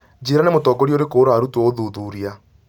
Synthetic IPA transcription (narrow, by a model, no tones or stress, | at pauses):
d͡ʒeɾanemotɔɡɔɾioɾekoɾaɾutwoðuðuːɾia